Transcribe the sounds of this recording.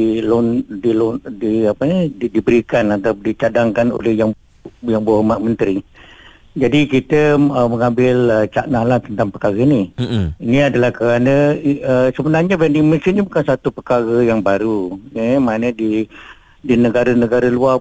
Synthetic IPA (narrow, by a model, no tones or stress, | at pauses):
ilondilondiapəɲədibəɾikanat̪adit͡ʃadaŋkano̰lɛhjaŋ | jaŋbəɦomaʔ̚mənt̪ɾi | d͡ʒadikit̪əəməŋambɪlət͡ʃaʔnalant̪ənt̪aŋpəkaɣəiniiniadəlahkəɾanəəsəbənarɲəbɾandiŋmənsinɲəbukansat̪upəkaɣəjaŋbaɾunimanədi | dinəɡaɾənəɡaɾəlua